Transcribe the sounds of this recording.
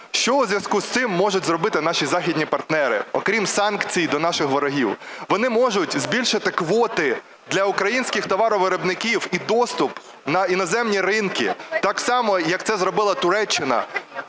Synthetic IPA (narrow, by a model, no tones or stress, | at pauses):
ʃt͡ʃɔwzʲʋʲjɐskust̪ɪmːɔʒʊtʲzrɔbɪt̪ɪnɑʃʲizɑxʲidʲnʲipɐrt̪nɛɾɪ̰ɔkɾʲimsɑnkt͡sʲijd̪ɔnɑʃɪxʋɔɾɔɦʲiwʋɔnɪmɔʒʊtʲzbʲilʲʃɪt̪ɪkʋɔt̪ɪ | d̪lʲɐʊkɾɐjinʲsʲkʲɪxt̪ɔʋɑɾɔʋeɾɔbnɪkʲiwid̪ɔst̪ʊp | nɐinɔzɛmnʲiɾɪnkɪ̰t̪ɑksɑmɔjɐk̚t̪sɛzrɔbɪlˠɐt̪ʊɾɛt͡ʃːɪnɐ̰